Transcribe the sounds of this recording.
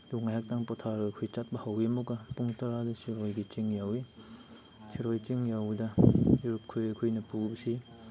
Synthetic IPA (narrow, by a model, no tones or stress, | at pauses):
luŋajak̚taŋpɔtʰaɾɐkʰujt͡ʃat̚bɐhawiɐmuɡɐpuŋtɐɾadɐsiɾojɡit͡ʃiŋjawi | siɾojt͡ʃiŋjawdɐuɾup̚kʰujɐkʰujnɐpubɐsi